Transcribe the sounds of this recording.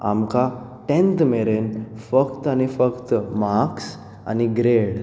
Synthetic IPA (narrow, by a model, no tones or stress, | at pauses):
a̰mkaʈẽnt̪meɾenfəkt̪anifəkt̪maks | a̰niɡɾeɽ